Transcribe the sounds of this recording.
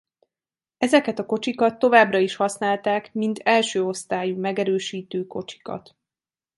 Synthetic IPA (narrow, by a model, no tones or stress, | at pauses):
ɛzɛkɛt̪ɒko̞t͡ʃikɒt̪ːo̞vaːbrɒiʃhɒsnaːlt̪aːkmint̪ʰɛlʃøːo̞st̪aːjumɛɡɛɾøːʃiːt̪øːko̞t͡ʃi̥kɒ̰t̪